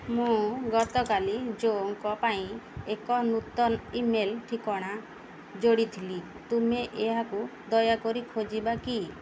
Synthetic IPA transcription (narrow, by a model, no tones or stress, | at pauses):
mũɡɔt̪ɔkalid͡ʒoŋkɔpaĩekɔnut̪ɔnimelʈʰikɔɽ̃a | d͡ʒoɽit̪ʰili | t̪umeʔeɦakud̪ɔjakɔɾikʰod͡ʒibaki